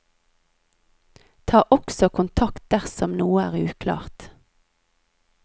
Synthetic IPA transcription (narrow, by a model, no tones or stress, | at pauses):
t̪ʰɑːʔɔksɔkʰʊnt̪ʰɑkt̪̚d̪æʁsɔmnuːəæːʁʉ̰ːkʰlɑ̰ːʁt̪